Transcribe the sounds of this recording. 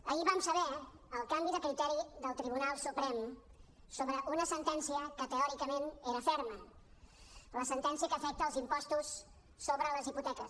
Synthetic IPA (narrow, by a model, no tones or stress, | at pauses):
əiβamsəβɛ | əlˠkambiðəkɾit̪ɛɾiðəlˠt̪ɾiβunalˠsupɾɛm | soβɾəʔunəsənt̪ɛnsiəkət̪əɔɾikəmeneɾəfɛɾmə | ləsənt̪ɛnsiəkəːfɛk̚t̪əlˠzimpɔst̪usː | oβɾələziput̪ɛkəs